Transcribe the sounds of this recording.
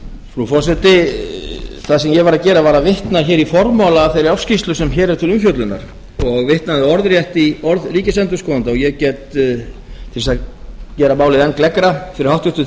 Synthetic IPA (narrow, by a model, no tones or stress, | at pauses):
fɾufɔsɛt̪ɪ | θaðsɛmjɛvaɾacɛːɾavaɾavɪht̪naɾçɛːɾifɔɾmawlafɛɾɪɾafscist̪lʏsɛmçɛːɾɛɾ̥t̪ʰɪlʏmfjœt̪lʏnːa̰ɾ̥ | ɔɣvɪht̪naðɪɔɾðɾjɛht̪iɔɾðɾiːcɪsɛnt̪ʏskɔːðant̪aɔɣjɛcɛt̪ | t̪ʰɪlvisacɛːɾamaːwlɪðɛnklɛkɾafɪɾɪɾhawht̪ʏ̥t̪ʏ